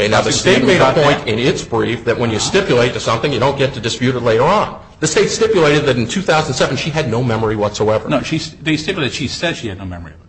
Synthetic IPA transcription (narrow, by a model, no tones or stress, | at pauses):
eɪnaʊðɨsteɪt̚meɪɾəpʰɔ̃ɪ̃tɪ̃nɪtsb̥ɹifðɨʔ̚wə̃njɨstɪpjɨleɪtɨsʌ̃mθɪ̃ŋjɨɾõʊ̃nɡ̥ɛtʰɨdɨspjʉɾɨtˡleɪɾə˞ə̃n | ðɨsteɪtstɪpjɨleɪɾɨd̪̚ðɨɾn̩tʰʉθaʊzn̩nsɛṽnʃiɨdⁿnoʊmɛmə˞iwʌtsoʊɛvə̰˞noʊʃiðeɪstɪpjleɪɨʃi̥sɛdʃiɨdⁿnoʊmɛmə˞iʌ